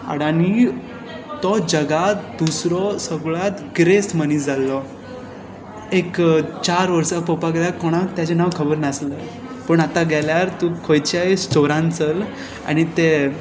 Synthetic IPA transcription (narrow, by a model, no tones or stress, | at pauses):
a̰ɽani | t̪ɔd͡ʑəɡat̪d̪usɾɔsəɡɭat̪ɡɾesmənid͡zalːɔ | ekt͡ɕaɾʋəɾsapɔpaɡljakɔɽ̃ãt̪jat͡ɕenaʋkʰəbəɾnəslə | pəɳat̪aɡɛljaɾt̪ukʰojt͡ɕajsʈoɾãnt͡səl | a̰ñit̪e